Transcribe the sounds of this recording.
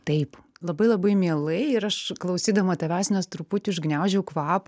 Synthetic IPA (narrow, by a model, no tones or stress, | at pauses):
t̪ɐɪplˠɐbɐɪlˠɐbɐɪmʲiɛlˠɐɪɪɾɐʃklˠɐʊsʲiːd̪ɐʋoːt̪ɐʋʲæːsʲɪnʲoːst̪ɾʊpʊt̪ʲʊʃɡnʲæʊʒʲɛʊkʋɑːp